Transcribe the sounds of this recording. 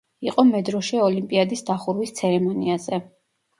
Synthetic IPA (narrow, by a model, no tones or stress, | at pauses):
iqʼɔmɛd̪ɾɔʃiɔlimpʼiad̪isd̪aχuɾwist̪sʰɛɾɛmɔniazɛ